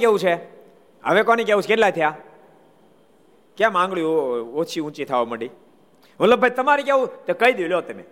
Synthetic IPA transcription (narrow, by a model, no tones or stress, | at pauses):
keũt͡ʃʰe | ə̰ʋekonikeũt͡ʃʰkeʈlajt̪ʰəja | kjãmãŋɡɭjuot͡ʃʰiũt͡ʃit̪ʰaʋoməɽi | ʋətləbːʱajt̪əmaɾikeʋũt̪ekəid̪juljot̪ːəmḛ